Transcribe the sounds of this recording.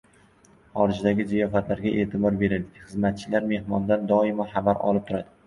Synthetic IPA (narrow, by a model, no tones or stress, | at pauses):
χɒɾɪd͡ʒd̪aɡʲɪzajɒfat̪laɾɡʲaʔe̞ːt̪ʰɪbɒɾbe̞ɾad̪ɪχɨzmat̪̚t͡ʃʰɪlaɾme̞hmɒnd̪and̪ɒɪmɒχabaɾɒ̰lˠɪp̚t̪ʰʊɾad̪ɪ